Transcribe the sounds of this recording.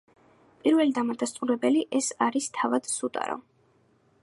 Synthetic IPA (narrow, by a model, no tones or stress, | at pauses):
pʼiɾvɛlid̪amad̪ast̪ʼuɾɛbɛliʔɛsaɾist̪ʰavad̪̥sut̪ʼa̰ɾɔ̰